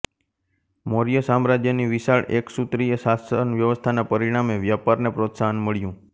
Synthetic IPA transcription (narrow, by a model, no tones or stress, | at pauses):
moɾijəsamɾad͡ʒjəniʋiʃaɭʔeksut̪ɾijəʃasənʋjəʋəst̪ʰanapəɾiɽ̃ameʋjapaɾnepɾot̪saɦənməɭjũ